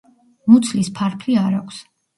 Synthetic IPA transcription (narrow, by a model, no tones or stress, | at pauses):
mut̪sʰlispʰaɾpʰliaɾakʷʰs